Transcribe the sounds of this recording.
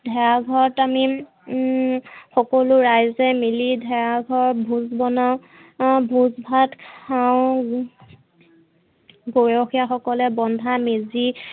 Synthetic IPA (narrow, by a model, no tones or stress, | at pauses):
dʱɛjaɡʱɔɹɔtami | xɔkɔlʊɹajzɛmilidʱɛaɡʱɔɹbʱuzbɔna | bʱuzbʱatkʰaʊ̃ | ɡojɔxijaxɔkɔlɛbɔndʱamizi